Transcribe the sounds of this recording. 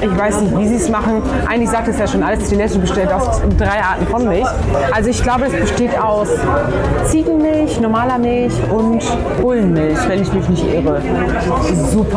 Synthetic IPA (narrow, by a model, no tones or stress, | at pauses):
ʔɪçv̥aɪsnɪçtv̥iːziːsmaχn̩ | ʔa̰ɪɡŋ̩tɪçz̥aːk̚tɛsjaːʃoːnʔaləsd̥ilɛttəbəʃteːtaʊsdʁaɪʔaːɐtn̩fɔnmɪlç | ʔalzoɪçɡ̥laʊbədasb̥əʃteːtaʊs | t͡siːɡŋ̩mɪlçnɔɐmaːlɐmɪlçʔʊnt | hoːlənmɪlçvɛnɪçmɪçnɪçtʔɪ̰ʁə | ɪsz̥uːpʰɐ